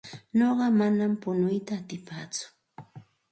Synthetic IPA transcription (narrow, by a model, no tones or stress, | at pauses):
noɢɑmanampʊnʊjt̪aːt̪ɪpaːt͡sʊ̥